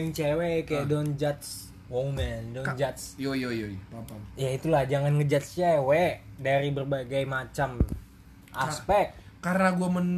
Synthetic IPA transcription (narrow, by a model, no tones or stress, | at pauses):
ŋt͡ʃewɛkajadɔnd͡ʒat̪s | womɛndɔd͡ʒat̪sojjajait̪ulahd͡ʒaŋanŋəd͡ʒat̪̚st͡ʃewɛdaɾibərbaɡajmat͡ʃam | ʔaspɛk̚ | karnaɡuamən